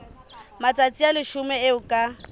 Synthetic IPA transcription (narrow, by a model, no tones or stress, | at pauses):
mat͡sʼat͡sʼialɪʃʊmɛeʊkʼa